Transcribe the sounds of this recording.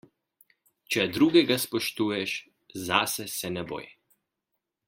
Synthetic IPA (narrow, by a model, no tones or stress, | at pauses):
t͡ʃɛd̪ɾuːɡɛɡaspɔʃt̪uːjɛʃ | zasɛsɛnɛbo̰ːjɛ